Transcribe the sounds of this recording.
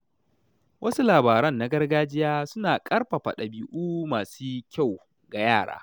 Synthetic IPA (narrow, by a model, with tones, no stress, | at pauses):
wʔɐ˦su˦laː˨baː˨ɾɐ˦nːa˦ɡɐ˦rɡaː˦d͡ʒɪ˦jaː˦sʊ˦naː˨kʼɐ˦rɸa˨ɸɐ˨ɗa˨biː˦ʔuː˦maː˨suː˦kʲa˦˨w | ɡa˨jaː˦˨ɽa̰ː˦